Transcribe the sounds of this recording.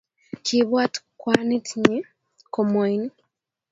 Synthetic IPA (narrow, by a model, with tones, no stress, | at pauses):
ki˦βwa˦tkwa˦ni˦tʰɲi˦ | kɔ˨mɔ˨jn